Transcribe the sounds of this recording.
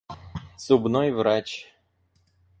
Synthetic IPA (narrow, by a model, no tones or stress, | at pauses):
sʊbnɔjvɾat͡ɕ